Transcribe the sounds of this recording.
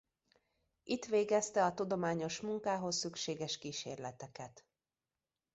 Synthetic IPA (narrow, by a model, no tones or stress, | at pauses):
ʔit̪ʋeːɡɛst̪ɛɒt̪ud̪o̞maːɲo̞ʃmuŋkaːɦo̞sːykʃeːɡɛʃkiːʃḛːrlɛt̪ɛkɛt̪